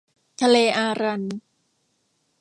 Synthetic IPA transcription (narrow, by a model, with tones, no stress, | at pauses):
t̪ʰa˧leː˧ʔaː˧ɾa˧n